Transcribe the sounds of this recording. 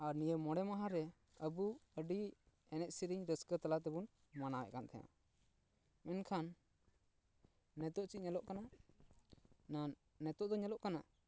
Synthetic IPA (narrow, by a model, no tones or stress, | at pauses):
aɾnijəmɔɽɛmaɦaɾɛ | əbuəɖi | ɛnɛʔ̚siɾiɲɾəskət̪alat̪̬ɛbun | manaɛʔkant̪ʰɛja̰ | mɛnkʰan | ɛt̪ɔʔt͡ʃiˀɲɛlɔʔkana | naː | ɛt̪ɔʔd̪ɔɲɛlɔʔkana